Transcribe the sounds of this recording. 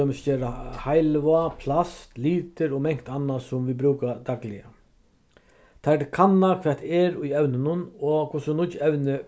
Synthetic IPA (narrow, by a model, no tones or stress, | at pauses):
œmɪsd͡ʒeːɾahajlʋapʰlast̪liːt̪ɪɾɔmɛŋ̥kt̪anːasʊmʋibɾʉːkad̪aklɪja̰ | t̪ʰaɖɪkʰanːakʰʋɛat̪ʰɛɾʊjɛwnɪnʊnɔkʰʊsʊnʊt͡ʃːɛwnɪ